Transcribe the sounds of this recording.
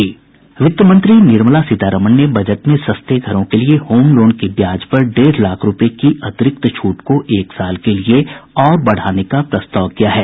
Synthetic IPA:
ʋɪt̪jəmə̃nt̪ɾinɪɾməlasɪt̪aːɾəmənnebʱɐd͡ʒəʈ̪mẽsɐst̪eɡʱɐɾõkeliehoːmloːɳkebjaːd͡ʒpɐɾɖeːɾlaːkʰɾʊpekiʔɐt̪ɪɾɪk̚t̪t͡ʃʰuːʈkoʔeːksaːlkelieɔːɾbɐɽ̤aːnekapɾɐst̪aːʋkijaɦɛː

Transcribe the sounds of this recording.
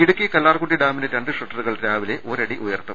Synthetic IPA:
iɽukʲːɨkɐlːaːrkuʈːiɖaːminɐɾeɳɖɨʂɐʈːɐruɣɐɭɾaːʋileʔo̞ːɾɐɽiʔujɐrt̪ːɐm

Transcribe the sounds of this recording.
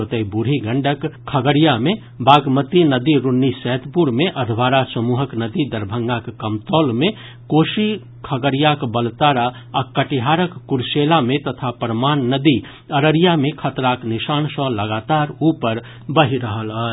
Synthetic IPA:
ot̪əibuɽ̤ʱiɡəɳɖəkkʰːəɡəɾijame | baɡmət̪inəd̪iɾunːisɛt̪puɾmeʔəd̪ʱʋaɾasəmuɦəknəd̪id̪əɾbʱəŋɡakkəmt̪ɔlme | koʃi | kʰəɡəɾijakbəlt̪aɾaː | kəʈiɦaɾəkːuɾselamet̪ət̪ʰapəɾəmanːəd̪i | əɾəɾijamekʰət̪ɾaknisansə̃ləɡat̪aɾupəɾ | bəɦiɾəɦələ

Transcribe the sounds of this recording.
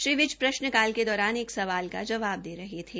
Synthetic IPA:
ʃɾiːʋɪd͡ʒpɾɐʃnəkaːlked̪ɔːɾaːneːksɐʋaːlka̰d͡ʒɐʋaːb̚d̪eːɾɐɦet̪ʰeː

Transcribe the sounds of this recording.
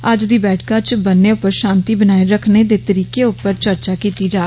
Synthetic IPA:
əd͡ʒd̪iːbɛːʈʰkãːt͡ʃbənːeːʊpːəɾʃãːnt̪iːbənaːeɾəkʰneːd̪eːt̪əɾiːkeːʊpːəɾt͡ʃəɾt͡ʃaːkiːt̪iːd͡ʒaː

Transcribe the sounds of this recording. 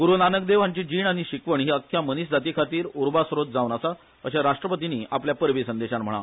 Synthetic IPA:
ɡuɾunanək̚d̪eʋ̤ãɲt͡ɕiːd͡ʑiːɳaɽ̃iɕikʋəɳɦiəkʰːjaməniɕd͡zat̪ikʰat̪iːɾuɾbasɾot̪̚d͡zaʋnasa | əɕaɾaʂʈɾəpət̪iniːʔapljapəɾʋisənd̪eɕanm̤əɽ̃a̰

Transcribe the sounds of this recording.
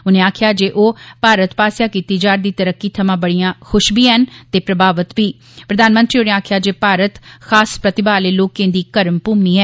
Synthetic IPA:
ʊnẽːaːkʰjaːd͡ʒeːʔoːpaːɾət̪paːsjaːkiːt̪iːd͡ʒaːɾd̪iːt̪əɾəkːiːt̪ʰəmãːbəɽijãːxʰʊʃbʱiːɦənt̪eːpɾəbaːʋət̪ʋiː | pɾəd̪aːnmə̃nt̪ɾiːʊnẽːaːkʰɪjaːd͡ʒeːpaːɾət̪xʰaːspɾət̪ɪbaːleːloːkẽːd̪iːkəɾəmpuːmniːɦɛː

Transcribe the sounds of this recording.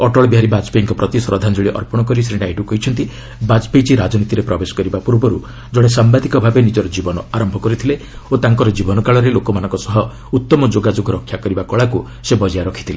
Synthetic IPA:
ɔʈɔɭɔbiɦaɾibad͡ʒpejiŋkɔpɾɔt̪isɾɔd̪ʱand͡ʒuɭiʔɔ̰ɾpɔɽ̃ɔkɔɾisɾiɽajʈukɔɦit͡ʃʰɔnt̪i | bad͡ʒpejt͡ʃiɾad͡ʒɔnit̪iɾepɾɔbesɔ̥kɔɾibapuɾbɔɾu | d͡ʒɔɽ̃esambad̪ikɔbʱabenid͡ʒɔɾɔd͡ʒibɔnɔaɾɔmbʱɔkɔɾit̪ʰile | ot̪aŋkɔɾɔd͡ʒibɔnɔkaɭɔɾelokɔmanɔ̃ŋkɔsɔɦɔ | ut̪ːɔmɔd͡ʒoɡad͡ʒoɡʱɔɾɔkʰjakɔɾibakɔɭaku | sebɔd͡ʒijaɾɔkʰi̥t̪ʰile

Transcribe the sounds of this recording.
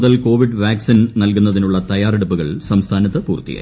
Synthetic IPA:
ðɐlko̞ːʋiɖʋaːksinnɐlkunːɐðinuɭːɐt̪ɐjaːreɽupːuɣɐɭsɐmst̪ʰaːnɐt̪ːɐpṵːrt̪ːḭja̰ː

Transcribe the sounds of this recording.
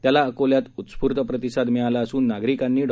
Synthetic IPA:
t̪jalaəkoljat̪ut̪spuɾt̪əpɾət̪isad̪mɛɭalaəsuːnːaɡɾikanːiːɖ

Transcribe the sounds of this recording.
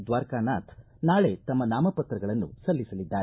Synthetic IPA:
d̪ʋaːɾkaːnaːt̪ʰ | naːɭe̞t̪ɐmːɐnaːmɐpɐt̪ɾɐɡɐɭɐnːṵsɐlːisɐlid̪ːaːɾe

